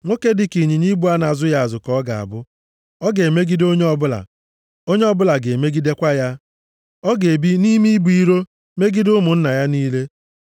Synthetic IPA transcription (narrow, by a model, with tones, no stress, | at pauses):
ŋʷo˦ke˦dɪ˨ki˨ɲi˨ɲi˦bu˨˦a˦na˨zʊ˦ja˨a˨zʊ˨kɔ˦ɡa˨a̰˨bʊ˦ | ɔ˦ɡe˨e˨me˦ɡi˦do˦ɲe˦ɔ˦bʊ˦la̰˨ | o˦ɲe˦ɔ˦bʊ˦la˨ɡe˨me˦ɡi˦de˦kʷa˦ja˦ | ɔ˦ɡe˨bi˦ni˦mi˦bu˨i˦ɾo˦ | me˦ɡi˦dʊ˦mʊ˨n̩˦na˨ja˦niː˦le˦